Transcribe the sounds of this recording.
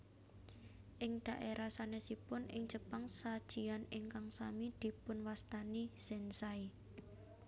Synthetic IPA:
ʔɪŋd̪̥a̤ʔeɾʔasanesipʊnʔɪ̰ŋd͡ʒəpaŋsad̥ʒ̥i̤anɪŋkaŋsamid̪̥i̤pʊnwast̪aniz̥ɛnsai

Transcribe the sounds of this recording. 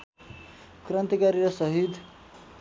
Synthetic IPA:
krʌnt̪ikaɾiɾʌsʌɦid̪ʱ

